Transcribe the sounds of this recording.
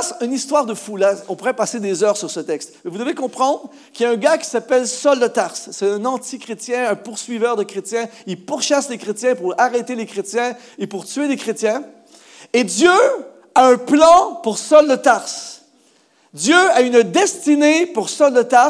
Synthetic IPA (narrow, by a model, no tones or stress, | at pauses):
synist̪waʁd̪əfulaɔ̃puʁɛpased̪ezœːʁsyʁsət̪ɛkst̪mɛvud̪əvekɔ̃pχɑ̃d̪ʁ | kʲijaɛ̃ɡakʲi̥sapɛlsɔld̪ət̪aʁsːɛt̪ɛ̃nɑ̃t̪ikχet̪jɛ̃ɛ̃puʁsɥivœʁd̪əkχet̪jɛ̃ilpuʁʃaslekχet̪jɛ̃puʁaʁet̪elekχet̪jɛ̃ | epuʁt̪yelekχet̪jɛ̃ | ed̪jø | aœ̃plɑ̃puʁsɔld̪ət̪aʁs | d̪jøaynd̪ɛst̪inepuʁsɔld̪ət̪a